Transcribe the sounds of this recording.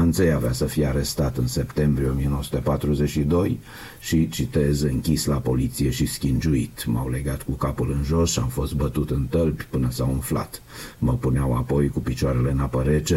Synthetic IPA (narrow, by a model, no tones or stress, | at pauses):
ant̪sejaveasəfijeaɾe̞st̪at̪ɨnse̞pt̪e̞mbɾieomijenowəsut̪epat̪ɾuze̞t͡ʃʃid̪o̞j | ʃit͡ʃit̪e̞zɨŋkʲislapo̞lit̪sije̞ʃiskʲind͡ʒuit̪mawle̞ɡat̪kukapulɨnʒo̞sʃamfo̞st̪̚bət̪ut̪ɨnt̪əlbʲpɨnəsawunfla̰t̪məpuneawa̰po̞jkupit͡ʃoaɾe̞le̞napəɾet͡ʃe